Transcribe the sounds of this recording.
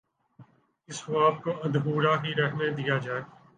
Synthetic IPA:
ɪsaːp̚koɐ̃nd̪ɦuːɾaɦiɾɛɦʰned̪ijad͡ʒaːe

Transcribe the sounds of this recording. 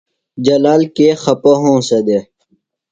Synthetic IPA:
d͡ʑɐlaːlkeːxɐpoɦõːsɐd̪e

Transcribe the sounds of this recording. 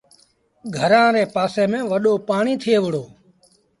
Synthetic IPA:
ɡʱəɾãːɾeːpaːseːmẽːʋəɗoːpaːɳiːt̪ʰɪeːʋɪɽoː

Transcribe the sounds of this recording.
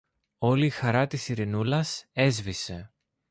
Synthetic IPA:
o̞liːxɐɾɐt̪isiɾinulɐse̞zvise̞

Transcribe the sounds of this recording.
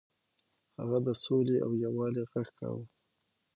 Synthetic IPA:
ha̰ɣad̪əsoleʔa̰wjawɑleɣaxka̰wə

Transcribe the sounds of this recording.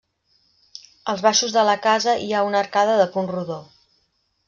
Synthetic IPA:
əlˠzβaʃuzðələkazəʔiaunəɾkaðəðəpunruðo

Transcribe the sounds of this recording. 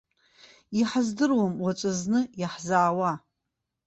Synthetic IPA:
iħazdɨrwamwat͡ʃʷʼaznɨjaħzaːwa

